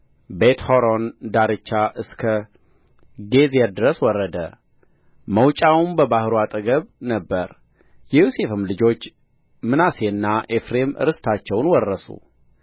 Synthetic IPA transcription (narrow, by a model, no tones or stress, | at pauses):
bet̪hoɾond̪aɾɨt͡ʃːaʔɨskʰə | ɡe̞zɛd̪ɾəswɔrːəd̪ə̰ | məwt͡ʃʼawmbəbahɾuat̪ʼɨɡəβnəbːəɾ | jɛjusefɨmlɨd͡ʒo̞t͡ʃː | mɨnaseɨnːaʔefɾe̞mɨ̰ɾɨst̪ʰat͡ʃːɛwnwɔrːəsṵ